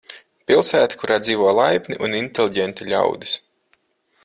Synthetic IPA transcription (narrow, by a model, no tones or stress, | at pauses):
pilˠsæːt̪i̥kuɾaːd̪ziːvɔjlˠajpʲniʔunint̪ʲelˠʲiɟɛnt̪iʎʲa̰wd̪is